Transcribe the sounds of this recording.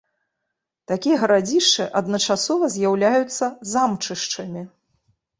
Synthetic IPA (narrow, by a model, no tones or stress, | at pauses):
t̪akʲijɐɣɐɾad͡zʲiʂt͡ʂɨʔɐd̪nɐt͡ʂasɔvɐzʲjawlʲajut̪sːɐzamt͡ʂɨʂt͡ʂɨmʲi